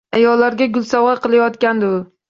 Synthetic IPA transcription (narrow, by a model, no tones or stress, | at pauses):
ajɒlːaɾɡʲaɡʲʊlˠsawʁɑqʰɨlˠajɒt̪kʲand̪ɪʊ